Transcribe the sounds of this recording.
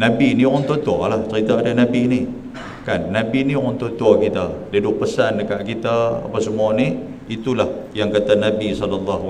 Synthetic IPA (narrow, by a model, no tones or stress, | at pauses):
nabiniɔnt̪ot̪ua̰laht͡ʃəɾit̪aːdanabini | kanːabiniɔnt̪ot̪uakit̪adidʊʔ̚pəsanəkaʔkit̪aa̰pasəmuani | it̪ulahjaŋkat̪anabisɔləlːaɦu